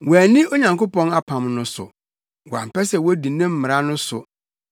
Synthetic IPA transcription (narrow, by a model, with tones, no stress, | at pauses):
wɔ˨æ˨nĩ˦o˦ɲã˨ŋko˦pɔ̃˦na˦pʰã˨mnʊ̃˦sʊ̰˨ | wɔ˨a̰˨m˨pɛ˦sɛ˨wɔ˦di˨nɪ̃˦m̩˦mɪ̃˨ɾa˦nʊ̃˦sʊ̰˨